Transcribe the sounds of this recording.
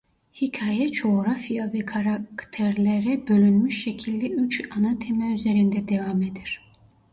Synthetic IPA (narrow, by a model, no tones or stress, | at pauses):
hicʰaːjɛd͡ʒo̞ɾafijavɛkʰaɾakt̪ʰeɾlʲeɾɛbølʲynmyʃːecʰilʲd̪ɛyt͡ʃanat̪ʰemɛyze̞ɾind̪ɛd̪evamed̪iɾ̥